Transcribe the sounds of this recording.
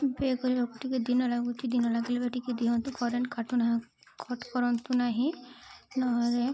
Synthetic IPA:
bekɔɾilɔkɔʈʰːikɛd̪inɔlaɡut͡ʃʰid̪inɔlaɡilɛbaʈikɛd̪iɦɔnt̪ukɔɾeɳkaʈunaɦã | kʰɔʈkɔɾɔnt̪unaɦĩnɔɦɔɾe

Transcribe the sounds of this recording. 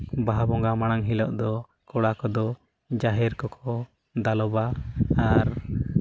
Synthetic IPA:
baɦabɔŋɡamaɽ̃aŋɦilɔ̰ʔd̪ɔ | kɔɽakɔd̪ɔ | d͡ʒaɦɛɾkɔkʰɔ | d̪alɔbaː | ɾ

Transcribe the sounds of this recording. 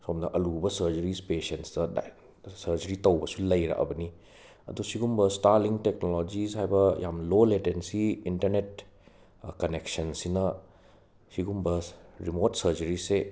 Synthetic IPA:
somnɐʔɐlubɐsɐɾd͡ʒɐɾispesensdɐd̰ | sɐɾd͡ʒɐɾitɐwbɐsulɐjɾa̰kɐ̰bɐni | ɐ̰dusiɡumbɐstaɾliŋtek̚nolod͡ʒishajbɐjʔamloletensiintɐɾnet̚ | kɐneksɐnsinɐ | siɡumbɐɾimotsɐɾd͡ʒɐɾise

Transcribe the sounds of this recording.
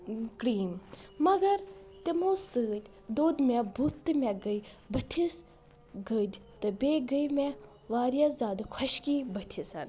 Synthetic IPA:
kɾiːmmɐɡɐɾt̪ʲemosɨːt̪ʲ | d̪oːd̪mebʱut̪ːɨmʲɛɡəjbɐt̪ʲʰis | ɡəd͡ʒʲt̪ɨbeːɡəjme | ʋaːɾjazaːd̪kʰɔʃkiːbət̪ʲʰisan

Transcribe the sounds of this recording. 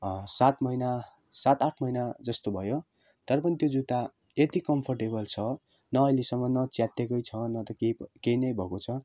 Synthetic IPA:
sat̪mʌina | sat̪aʈʰmʌjnad͡zʌst̪obʱʌjo | t̪ʌɾʌpʌnit̪jod͡zut̪a | et̪ikʌmpʰʌrʈebʌlt͡sʰʌ | nʌːjlesʌmːʌnʌt͡sjat̪ːekʌjt͡sʰʌnʌt̪ʌkekejnʌjbʱʌkot͡sʰʌ

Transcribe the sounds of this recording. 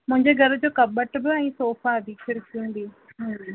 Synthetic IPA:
mʊ̃ɦɪ̃ɲd͡ʑeːɡʱɐɾəd͡ʑoːkɐbəʈbɪɛ̃ːsoːfad̪iːkʰɪɾkʰiũn̆d̪iː | ɦ

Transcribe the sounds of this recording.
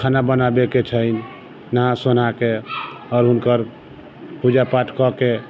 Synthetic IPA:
kʰanabənabeket͡ʃʰəjn | nəɦãson̤ake | ɔːɾɦunkəɾ | pud͡ʒapaʈʰkɔke

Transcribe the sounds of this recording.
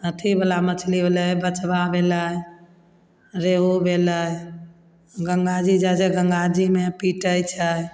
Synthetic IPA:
ət̪ʰibəlamət͡ʃʰlibeləjbət͡ʃbabeləj | ɾeɦobʱeləj | ɡəŋɡad͡ʒid͡ʒad͡ʒeɡəŋɡad͡ʒimepiʈəjt͡ʃʰəj

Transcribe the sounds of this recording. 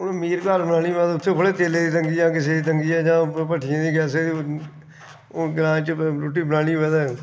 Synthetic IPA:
ʊnmiːɾkaːɾbənaːɽiːʋɛ̃ːd̪aːʊt̪ʰːeːkʰʊleːt̪eːleːd̪iːt̪əŋɡiːd͡ʒãːkɪseːd̪iːt̪əŋɡiːɛːd͡ʒãːpəʈʰɪjãːd̪iːkɛːseːd̪i | ɡɾãːt͡ʃəɾoːʈ̬iːbənaːɽiːʋɛ̃ːd̪aː

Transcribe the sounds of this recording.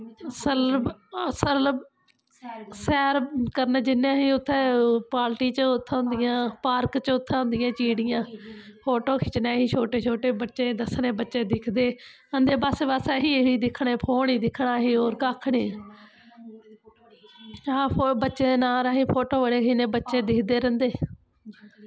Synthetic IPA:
əsələsəl | sɛːɾkəɾnẽːd͡ʒɪnːãːɦiːʊt̪ʰːeːpaːlʈiːt͡ʃʊt̪ʰːʊ̃nd̪ɪjãːpaːɾkt͡ʃʊt̪ʰːãːɦʊ̃nd̪ɪjãːt͡ʃiːɽɪjãːpʰoːʈoːkʰɪt͡ʃneːɦiːt͡ʃʰoːʈeːt͡ʃʰoːʈeːbətːʃẽːd̪əsneːbətːʃeːd̪ɪkʰd̪eː | ənd̪eːbaːsebaːsɛːɦiːɦiːd̪ɪkʰɳeːpʰoːɳiːd̪ɪkʰɳaːɦiːoːɾkaːkʰɽeː | aːpobətːʃeːd̪eːnaːɾaːɦiːpʰoːʈoːʋəɽeːkʰiːnẽːbətːʃeːd̪ɪkʰd̪eːɾənd̪eː

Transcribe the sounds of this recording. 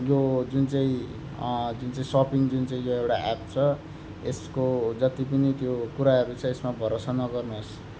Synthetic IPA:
jod͡zunt͡saĩ | d͡zunt͡saĩsʌpiŋd͡zunt͡saĩjoewɽaʔap̚t͡sʰʌ | eskod͡zʌt̪ipʌnit̪jokuɾaɦʌɾut͡sʰʌesmabʱʌɾosʌnʌɡʌrnos

